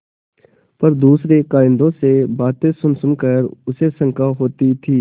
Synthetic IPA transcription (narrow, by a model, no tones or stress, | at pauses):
pɐɾd̪uːsɾekaːɪ̃nd̪õsebaːt̪ẽsʊnsʊnkəɾʊsesə̃ŋkaɦoːt̪it̪ʰiː